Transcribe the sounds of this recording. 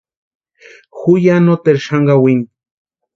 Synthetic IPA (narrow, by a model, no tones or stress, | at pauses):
xujanot̪eɾʃaŋɡawin